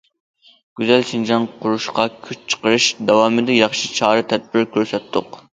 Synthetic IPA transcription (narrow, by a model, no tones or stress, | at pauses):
ɡ̥ʲyzɛlʃind͡ʒɑnqʰʊɾuʃqɑkʲʰyt͡ʃt͡ʃʰə̥qəɾɨʃd̪ɑwɑːmɨd̪ɛjɑχʃit͡ʃʰɑːɾɨt̪ʰɛd̪̚bɪɾkʲʰøɾsɛt̪ʰːʊq